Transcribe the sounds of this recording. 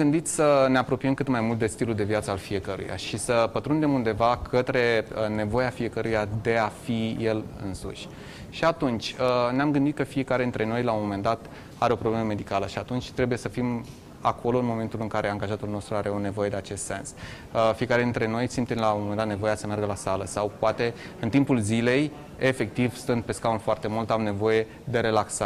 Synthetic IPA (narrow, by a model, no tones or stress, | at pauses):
ɡɨnd̪it̪sʲsəneapɾo̞pijemkɨt̪majmult̪d̪est̪ilud̪e̞viat̪səalfije̞kəɾṵja̰ʃisəpət̪ɾund̪e̞mund̪e̞vakʰət̪ɾe̞ne̞vo̞jafije̞kəɾujad̪e̞afije̞lɨ̰nsṵʃʲ | ʃiat̪unt͡ʃʲəneamɡɨnd̪it̪̚kəfije̞kaɾe̞d̪int̪ɾe̞no̞jlaomome̞nd̪at̪ | aɾeo̞pɾo̞bleməme̞d̪ikaləʃiat̪unt͡ʃʲt̪ɾe̞buje̞səfim | akʰo̞lo̞ɨnmo̞me̞nt̪ulɨŋkaɾe̞aŋɡaʒat̪ulno̞st̪ɾuaɾe̞o̞nevo̞je̞d̪e̞at͡ʃe̞st̪se̞ns | əfije̞kaɾe̞d̪int̪ɾe̞no̞jsimt̪emlamomend̪at̪ne̞vo̞jat̪səmearɡəlasaləsawpoat̪e̞ | ɨnt̪impulzile̞j | e̞fe̞k̚t̪ivsɨnt̪̚pe̞skaunfoart̪e̞mult̪amne̞vo̞je̞ | d̪e̞ɾe̞laksa